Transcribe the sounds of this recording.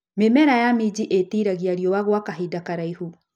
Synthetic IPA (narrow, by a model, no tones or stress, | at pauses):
memɛɾajamid͡ʒiʔetiɾaɣiaɾiɔwaɣwakaɦidakaɾaihu